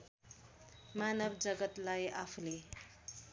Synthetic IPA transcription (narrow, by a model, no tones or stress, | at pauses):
manʌbd͡zʌɡʌt̪lajapʰule